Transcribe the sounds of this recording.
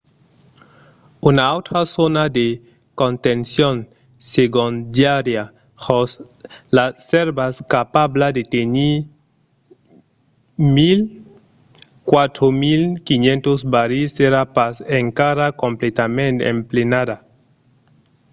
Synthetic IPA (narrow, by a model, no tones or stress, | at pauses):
unaawt̪ɾasonad̪e | kont̪ensjon | seɡond̪jaɾja | hos | laseɾbaskapablad̪et̪eni | mil | kwat̪ɾomilkinjẽnt̪ozbaɾiseɾapaseŋkaɾakõmplet̪amẽnt̪ḛmplenada